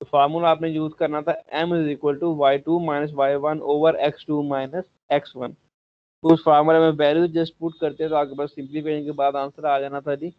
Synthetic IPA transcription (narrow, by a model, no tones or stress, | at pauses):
ofaːɾmuːlaːp̬nejuːzkəɾnat̪ʰaːʔɛ̃ːmɪziːkwəlʈuʋaːɪʈuːmaːɪnəs̬ʋaːjʋənoːʋəɾɛksʈuːmaːɪnəs | ɛksʋən | sfaːɾməlmẽʋɛːljuːzd͡ʒɪspuʈ̚kəɾt̪eɦɛ̃t̪oaːkebəsːɪ̃mplipeːɽẽkeːbaːd̪ãːnsəɾaːd͡ʒaːnat̪ʰaːd͡ʒiː